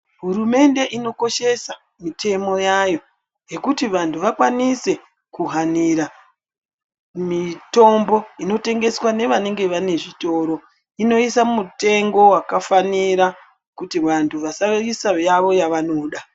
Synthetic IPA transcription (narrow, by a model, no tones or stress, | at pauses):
ɦuɾume̞nde̞ʔino̞ko̞ʃe̞sa | mitʰe̞mo̞jajo̞ | je̞kutiʋantʰuʋakwanise̞ | kuɦaniɾa | mito̞mbo̞ino̞te̞ŋɡe̞swane̞ʋane̞ŋɡe̞ʋane̞ʐito̞ːɾo̞ | ino̞isamute̞ŋɡo̞wakafaniɾa | kutiʋantʰuʋasaisajaʋo̞jaʋano̞ɗa